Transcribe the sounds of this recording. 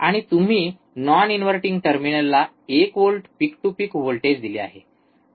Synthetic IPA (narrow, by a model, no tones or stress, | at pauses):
aɽ̃it̪um̤iː | nɔninʋəɾʈiŋɡʈəɾminəlːa | ekʋolʈpikʈupikʋolʈed͡ʑd̪ilea̰ɦḛ